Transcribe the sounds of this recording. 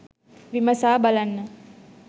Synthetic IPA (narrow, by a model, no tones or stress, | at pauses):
ʋiməsaːbalanːə